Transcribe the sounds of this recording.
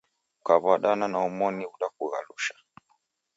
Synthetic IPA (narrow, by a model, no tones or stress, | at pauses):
kaβwaɗananaumɔniuɗakuɣa̰luʃḁ